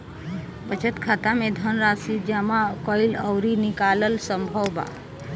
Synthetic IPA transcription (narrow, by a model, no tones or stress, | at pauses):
pət͡ʃət̪kʰat̪amed̪ʱənɾasid͡ʒamakəɪləʊɾinikaləlsəmbʱəwba̰